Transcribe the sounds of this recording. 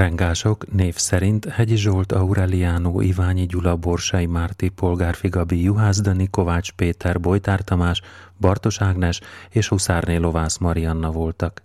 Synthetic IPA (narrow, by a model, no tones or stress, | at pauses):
ɛŋɡaːʃo̞kneːfsɛɾint̪hɛɟiʒolt̪ɒuɾɛlijaːnoːʔivaːɲiɟulɒbo̞rʃɒjimaːrt̪ipo̞lɡaːrfiɡɒbijuɦaːzd̪ɒniko̞vaːt͡ʃpeːt̪ɛrbo̞jt̪aːrt̪ɒmaːʃ | bɒrt̪o̞ʃaːɡnɛʃeːʃusaːrneːlo̞vaːsmɒɾijɒnːɒvo̞lt̪ɒk